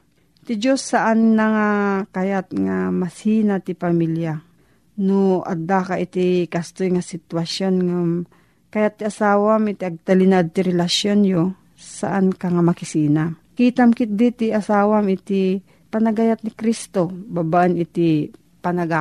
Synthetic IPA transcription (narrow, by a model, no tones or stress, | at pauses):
t̪ɪd͡ʒosːaʔannɐŋakɐjat̪̚ŋamɐsiːnat̪ɪpɐmilja | noʔa̰d̪akaʔɪt̪ɪkɐst̪ojŋasɪt̪wɐsjonŋam | kɐjat̪ːiʔɐsaːwamɪt̪iɐɡ̚t̪alinad̪̚t̪ɪɾɛlasjonjo | sa̰ʔankaŋamɐkɪsiːnakiːt̪amkɪt̪̚d̪it̪ɪʔɐsaːwamɪt̪i | pɐnɐɡajat̪̚nɪkɾist̪obabaʔɪnɪt̪i | pɐnaɡa